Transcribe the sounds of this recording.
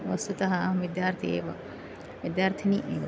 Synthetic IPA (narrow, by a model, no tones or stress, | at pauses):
ʋɐst̪ut̪ɐɦaʋid̪jaːɾt̪ʰiḛʋɐ | ʋid̪jaːɾt̪ʰiniʔeːʋɐ